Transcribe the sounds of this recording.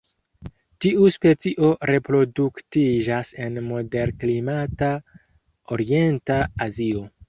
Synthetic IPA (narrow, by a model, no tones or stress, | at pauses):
tiuspe̞t͡siʔo̞ɾe̞pɾo̞duktid͡ʒase̞nmo̞de̞ɾklimata | o̞ɾie̞ntaazio̞